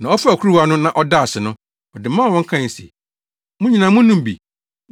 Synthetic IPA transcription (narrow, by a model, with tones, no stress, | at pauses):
nã˨ɔ˦fa˦æ˨kʰu˦ɾu˦a˦nʊ̃˦nã˨ʔɔ˦da˦˨a˨sɪ˨nʊ̃˦ | ɔ˨dɪ˨mãː˦˨wɔ̃˦ŋ̩˦kʰã˦˨sɛ̰˨ | mʊ̃˦ɲĩ˨nã˨mʊ̃˦nũ˦m˨bḭ˨